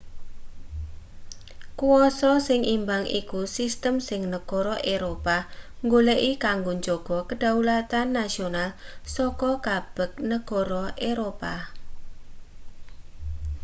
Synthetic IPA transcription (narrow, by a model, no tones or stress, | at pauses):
kuɔsɔsɪŋʔimbaŋḭkusist̪əmsɪŋnəɡ̥ɔɾɔʔeɾopaŋɡoleʔikaŋɡoɲd͡ʒoɡ̥ɔkəɖ̥aulat̪anːasionalsɔkɔkab̥ək̚nəɡ̥ɔɾɔʔeɾopa